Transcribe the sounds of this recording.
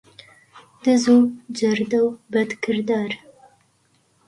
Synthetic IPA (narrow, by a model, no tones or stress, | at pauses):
d̪̥əzod͡ʒaɾd̪awbad̪kɪɾd̪ɑɾ